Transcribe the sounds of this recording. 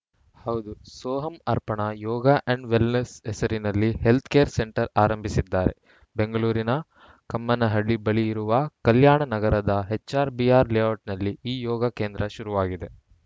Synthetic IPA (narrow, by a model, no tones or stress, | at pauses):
hɐwud̪usɔːɦɐmɐɾpɐɳɐjɔːɡɐʔɐɳɖʋilnesɛsɐɾinɐlːihe̞lt̪ʰkeːɾseɳʈɐɾaːɾɐmbʱisid̪ːaːɾe̞̰ | be̞ŋɡɐɭuːɾinɐ | kɐmːɐnɐɦɐɭːibɐɭijiɾuʋɐkɐljaːɳɐnɐɡɐɾɐd̪ɐɦet͡ʃːaːɾbiaːɾlejaːʈnɐlːiiːjɔːɡɐkeːnd̪ɾɐʃuɾuʋaːɡid̪e̞